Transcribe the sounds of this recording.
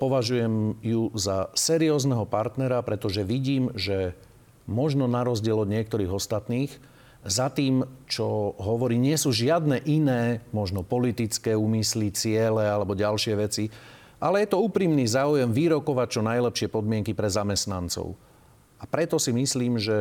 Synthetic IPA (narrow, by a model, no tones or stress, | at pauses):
pɔʋaʒujɛmjuzasɛɾiɔːznɛɦɔpaɾt̪nɛɾapɾɛt̪ɔʒɛʋiɟiːmʒɛ | mɔʒnɔnaɾɔzɟɪɛlɔd̪ɲɪɛk̚t̪ɔɾiːɣɔst̪at̪niːɣ | zat̪iːmt͡ʃɔɦɔʋɔɾiːɲɪɛsuːʒɪad̪nɛʔinɛːmɔʒnɔpɔlit̪it͡skɛːuːmislit͡sɪɛlɛalɛbɔɟalʃɪɛʋɛt͡si | ʔalɛjɛt̪ɔuːpɾimnizaːujɛmʋiɾɔkɔʋac̚t͡ʃɔnajlɛpʃɪɛpɔd̪mɪɛŋkipɾɛzamɛst̪nant͡sɔ̰ʊ | apɾɛt̪ɔsimisliːmʒɛ